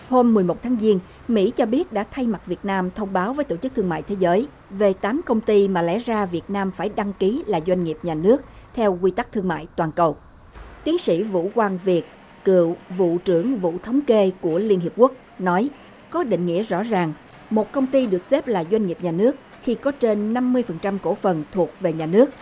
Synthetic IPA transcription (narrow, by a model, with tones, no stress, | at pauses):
ho˧mːɨ˨˩əjmo˨˩t̚t̪ʰaː˨˦ŋzi˧ən | mḭ˧˥t͡ɕɔ˧ɓi˦˥ət̚ɗa̰ː˧˥t̪ʰa˧jma˨˩t̚vi˨˩ət̚naː˧mt̪ʰə˧wŋ͡mɓaː˨˦wvəː˨˦jt̪o˧˩t͡ɕɨ˦˥k̚t̪ʰəŋma̰ː˧˨jt̪ʰe˨˦zəː˨˦j | ve˨˩t̪aː˨˦mkə˧wŋ͡mt̪i˧maː˨˩lɛ̰˧˥zaː˧vi˨˩ət̚naː˧mfaː˧˩jɗa˧ŋki˨˦laː˨˩zwa˧jŋ̟ŋi˨˩əp̚ɲaː˨˩nɨ˦˥ək̚ | t̪ʰɛ˧wkwi˧t̪a˦˥k̚t̪ʰɨ˧əŋma̰ː˧˨jt̪waː˨˩nkə˨˩w | t̪i˨˦ənsḭ˧˥vṵ˧˥˨kwaː˧ŋvi˨˩ət̚ | kɨ̰˧˨əwvṵ˧˨t͡ɕɨ˧˩əŋvṵ˧˨t̪ʰə˨˦wŋ͡mke˧ku˧˩əli˧ənɦi˨˩p̚ku˦˥ək̚nɔ˨˦j | kɔ˨˦ɗḭ̈˧˨ŋ̟ŋḭ˧˥əzɔ̰˧˥zaː˨˩ŋ | mo˨˩t̚kə˧wŋ͡mt̪i˧ɗɨ˨˩ək̚se˦˥p̚laː˨˩zwa˧jŋ̟ŋi˨˩p̚ɲaː˨˩nɨ˦˥ək̚ | xi˧kɔ˨˦t͡ɕe˧nːa˧mːɨ˧əjfə˨˩nt͡ɕa˧mko˧˩fə˨˩nt̪ʰu˨˩ək̚ve˨˩ɲaː˨˩nɨ˦˥ək̚